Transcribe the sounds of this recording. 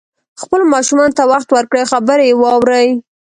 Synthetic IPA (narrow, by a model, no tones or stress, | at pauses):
xpəlmɑʃumɑnot̪awaxt̪wəɾkɽexabəɾejewɑwɾəj